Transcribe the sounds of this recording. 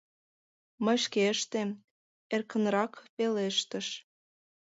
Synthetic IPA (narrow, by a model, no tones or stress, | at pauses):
mə̆ʃkeəʃt̪em | erkə̆nrɑkpeleʃt̪ə̆ʃ